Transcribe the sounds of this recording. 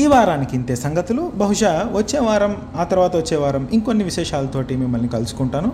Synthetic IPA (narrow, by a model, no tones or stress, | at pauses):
iːʋaːɾaːnikint̪eːsɐŋɡɐt̪ulubɐɦuʂɐʋɐt͡ʃːeːʋaːɾɐm | aːt̪ɐɾʋaːt̪ɐʋɐt͡ʃːɛːʋaːɾɐmiŋkonːiʋiʃɛːʂaːlɐt̪o̞ːʈiːmimːɐlnikɐlusu̥kuɳʈaːnu